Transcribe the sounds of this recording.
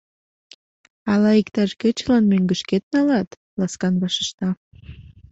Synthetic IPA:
ɑlɑikt̪ɑʃket͡ɕlɑnmøŋɡə̆ʃket̪̚nɑlɑt̪ | lɑskɑnβɑʃə̥ʃt̪ɑ

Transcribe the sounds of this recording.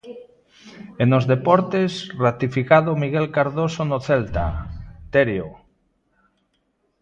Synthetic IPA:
enozðepɔɾt̪esrat̪ifikaðomiɣelkaɾðosonoθelt̪a̰t̪eɾjo

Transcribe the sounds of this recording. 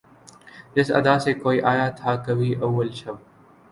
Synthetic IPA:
d͡ʒɪsɐ̰d̪aːsekoːiːʔaːjat̪ʰaːkɐbʱiːʔɐwːəlʃɐb

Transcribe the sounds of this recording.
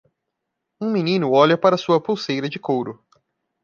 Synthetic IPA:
ũmĩnĩnʊɔʎɐpaɾɐsuɐpowsejɾɐd͡ʒɪkowɾʊ

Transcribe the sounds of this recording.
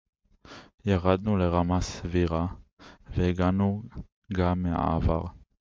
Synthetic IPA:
jaʁad̪nuleʁamasviʁaveɡanu | ɡamːea̰ːva̰ʁ

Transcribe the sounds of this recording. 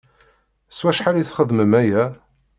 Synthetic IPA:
swæʃħaliθχəðməmæjæ

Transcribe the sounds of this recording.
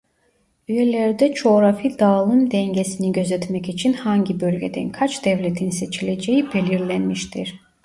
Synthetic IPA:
yjelʲæɾd̪ɛt͡ʃʰo̞ɾafid̪aːlˠɯnd̪ɛɲɟesiniɟø̞zɛt̪mɛcit͡ʃʰinhaɲɟibø̞lʲɟed̪ɛ̰nkʰat͡ʃd̪ɛvlʲet̪ʰinse̞t͡ʃʰilʲed͡ʒejibeliɾlʲænmiʃt̪ʰiɾ̥

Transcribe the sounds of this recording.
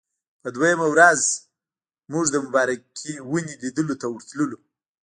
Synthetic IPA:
pəd̪wajamawɾaz | muʐd̪əmʊbɑɾakʰewunilid̪əlot̪awʊɾt̪ləlo

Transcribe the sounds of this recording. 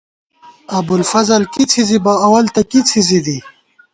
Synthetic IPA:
ɐbulfɐzalkit͡sʰizibaːwɐlt̪akit͡sʰizid̪i

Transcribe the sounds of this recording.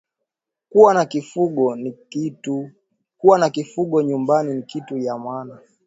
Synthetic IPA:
kuwanakifuɠɔnikitu | kuwanakifuɠɔɲumbaninikitujamwana

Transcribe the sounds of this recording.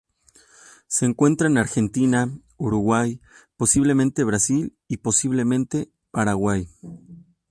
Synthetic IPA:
se̞ːŋkwe̞nt̪ɾaenaɾxe̞nt̪ina | uɾuɣwajpo̞siβ̞le̞mẽ̞nt̪e̞β̞ɾasil | ipo̞siβle̞mẽ̞nt̪e̞ | paɾaɣwaj

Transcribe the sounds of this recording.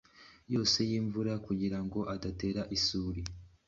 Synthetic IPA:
jo̞ːse̞jiːɱvuɾakuɟiɾaŋɡo̞ʔadate̞ːɾaʔisuːɾi

